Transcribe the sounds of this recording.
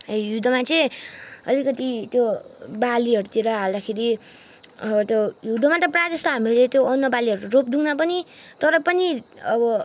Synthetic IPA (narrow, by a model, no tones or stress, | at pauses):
ejud̪ʱʌmat͡sʌ̃ʌ̰likʌt̪it̪jobaliɦʌɾut̪iɾʌɦald̪akʰeɾi | ʌbʌt̪jojud̪ʱʌmat̪ʌprad͡zʌst̪oɦamilet̪joʌnːʌbaliɦʌɾuropd̪uŋnʌpʌnit̪ʌɾʌpʌniʌbʌ